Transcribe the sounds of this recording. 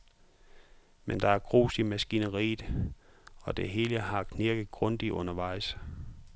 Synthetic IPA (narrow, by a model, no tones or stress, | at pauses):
mend̥ɑ̈æɐɡ̥ʁo̰ːsimæsɡ̥inəʁḭːð̩ˠ | ɒ̽d̥e̝ɦe̝ːləhɑ̈kʰneɐɡ̥ð̩ˠɡ̥ʁɔ̽nd̥iʔɔ̽nɐʋɑ̈ɪ̰s